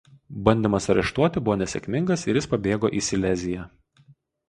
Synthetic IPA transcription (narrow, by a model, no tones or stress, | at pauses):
bɐnʲd̪ʲeːmɐsɐɾʲɛ̰ʃt̪uɔt̪ʲɪbʊʋoːnʲɛsʲɛ̰kʲmʲɪŋɡɐsɪ̰ɾjɪspɐbʲeːɡoːʔiːsʲɪlʲɛzʲɪjæ